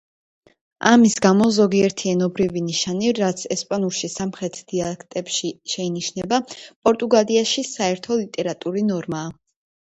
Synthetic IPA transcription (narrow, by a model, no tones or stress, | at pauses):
amisɡamɔzɔɡiɛɾt̪ʰiɛnɔbɾiviniʃaniɾat̪sʰɛspʼanuɾˠʃisamχɾɛt̪ʰd̪̥ialɛkʰt̪ʼɛpʃiʃɛiniʃnɛbapʼɔɾt̪ʼuɡaliaʃisaɛɾt̪ʰɔlit̪ʼɛɾat̪ʼuɾinɔɾmaː